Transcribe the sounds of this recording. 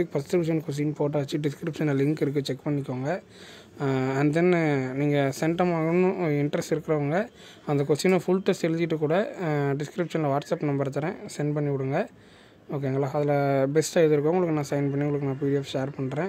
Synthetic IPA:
ɪk̚fɐsʈ̪ɾɯʋʂɐnkɔs̬inpoːʈ̬ːaːt͡ʃːiɖɪskɾɪpʂɐnlɪŋkɪɾɯk̬ːɯt͡ʃɛkːpɐɳːɪkːoːŋɡɐ | ɐnd̪enːɯniːŋɡɐsɛɳʈɐmaːɣɐnːɯɪɳɖɾɛstɪɾɯkːɪɾɐʋɐŋɡɐ | ɐnd̪ɐkɔsinɐfʊɭʈːɐsɛlɪɲd͡ʒɪʈːɯkuːɽɐɖɪskɾɪpʂɐnlɐʋaːʈsɐpːnɐmbɐɾɐt̪̬ːɐɾẽːsɐɪnɖpɐɳːiʋɪɽɯŋɡɐ | oːk̬ːeːŋɡɐɭːaːɐðɪlɐbɛsʈaːɛðɯɾɯkːõʊŋɡɐɭɯkːɯnãːsɐjɪnpɐɳːiʊŋɡɐɭɯkːɯnãːpiːɾɪɛfʃeːɾpɐɳːɾẽː

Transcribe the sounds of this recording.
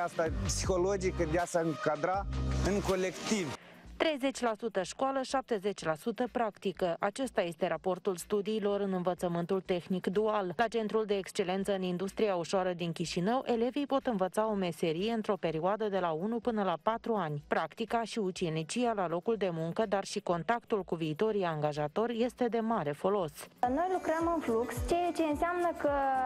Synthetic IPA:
ast̪apsixolod͡ʒikəd̪easəɨŋkad̪ɾaɨŋko̞le̞kt̪ivt̪ɾe̞jze̞t͡ʃʲlasut̪əʃkwaləʃap̚t̪e̞ze̞t͡ʃʲlasut̪əpɾakt̪ikəʔat͡ʃe̞st̪aje̞st̪e̞ɾapo̞rt̪ulst̪ud̪iːlo̞ɾɨnɨnvət̪səmɨnt̪ult̪e̞xnikd̪uallat͡ʃe̞nt̪ɾuld̪e̞ːkst͡ʃe̞le̞nt̪səɨnind̪ust̪ɾiauʃoaɾəd̪inkʲiʃinəwʔe̞le̞vijpo̞t̪ɨnvət̪sao̞me̞se̞ɾije̞ɨnt̪ɾo̞pe̞ɾioad̪əd̪e̞launupɨnəlapat̪ɾuanʲpɾakt̪ikaʃiut͡ʃenit͡ʃijalalo̞kuld̪e̞muŋkəd̪arʃiko̞nt̪akt̪ulkuviːt̪o̞ɾijaŋɡaʒat̪o̞rʲje̞st̪e̞d̪e̞maɾe̞fo̞lo̞sno̞jlukɾəmɨnflukst͡ʃejat͡ʃeɨnseamnəkə

